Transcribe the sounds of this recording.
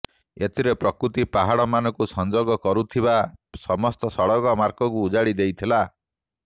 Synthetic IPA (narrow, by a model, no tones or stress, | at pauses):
et̪ʰiɾepɾɔkɾut̪ipaɦaɽɔmanɔkusɔnd͡ʒoɡɔkɔɾut̪ʰiβasɔmɔst̪ɔsɔɽɔɡɔmaɾkɔkuːd͡ʒaɽid̪ejt̪ʰila